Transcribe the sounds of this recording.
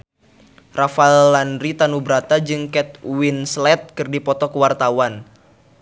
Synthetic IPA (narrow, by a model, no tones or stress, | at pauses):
rafaɛlːanɾit̪anubɾat̪ad͡ʒɨŋkɛt̪̚winslɛt̪̚kɨrdipɔt̪ɔkəwart̪awan